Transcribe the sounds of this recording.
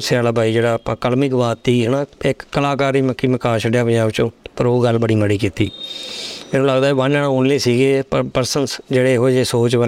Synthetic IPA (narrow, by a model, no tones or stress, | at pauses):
sɪaːlaːbʱaːiːd͡ʒeːɽaːpakəlmɪkʋaːt̪ːiːɦənãːɪkːəlaːkaːɾiːməkːiːməkaːʃəɖjaːʋəaːʋt͡ʃõːpəɾoːɡəlbəɽiːməɽiːkiːt̪iː | mɛːnũːləɡd̪aːɛʋənaːɽaoːnleːsiːɡeːpəɾpəɾsənsd͡ʒeːɽeːɦoːeːd͡ʒeːsoːt͡ʃʋə